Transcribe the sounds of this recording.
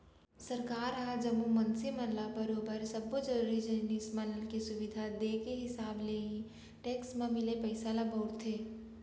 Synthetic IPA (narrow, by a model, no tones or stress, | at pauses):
sɐɾkaːɾɦad͡ʒɐmːumɐnsimɐnlabəɾoːbəɾsɐbod͡ʒɐɾuːɾid͡ʒɐɦnismɐnlkisʊʋɪd̪ʱad̪eːkeɦɪsaːbleːĩ | ʈeːksmẽmɪlepɐɪsalabəʊɾt̪ʰeː